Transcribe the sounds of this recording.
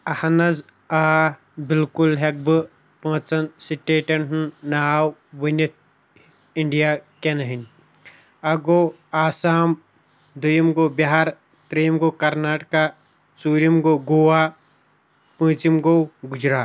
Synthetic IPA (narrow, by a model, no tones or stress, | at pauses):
ɐhɐnɐz | aː | bilkulɦek̚bɨ | pɐ̃ːt͡sɐnsiʈeːʈɐnɦnnaawʋɐnɐt̪̚ | iɳɖijaːkenɐɦinʲ | ɐɡoː | aːsaːm | d̪ujɐmɡoːbɐɦaɾ | t̪ɾejmɡoːkɐɾnaːʈka | t͡suːɾimɡoɡuwaː | pɐ̃ːt͡ʃimɡoɡud͡ʒɾaː